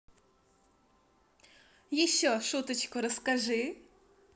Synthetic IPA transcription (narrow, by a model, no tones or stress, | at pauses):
jɪɕːɔʂut̪ət͡ɕkʊɾəskaʐɨ